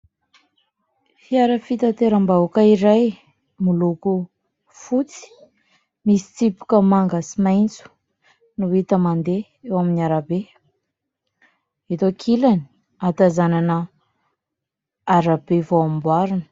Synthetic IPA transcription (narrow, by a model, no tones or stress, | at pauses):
fiaɾəfit̪at̪eɾəmbaukaiɾaj | muluku | fut͡si̥ | misi̥t͡sipu̥kəmaŋɡəsimajnt͡su̥ | nuwit̪əmand̪e | ewaminiaɾabe | et̪okʰilani | at̪azananə | aɾab̥evoamimbwaɾunə̥